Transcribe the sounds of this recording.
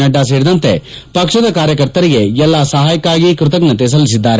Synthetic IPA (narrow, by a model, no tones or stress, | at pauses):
nɐɖːaːs̬eːɾid̪ɐnt̪e̞pɐkʂɐd̪ɐkaːɾjɐkɐɾt̪ɐɾiɡe̞ɛlːaːsɐɦaːjɐkaːɡikɾut̪ɐknɐt̪eːs̬ɐlis̬id̪ːaːɾe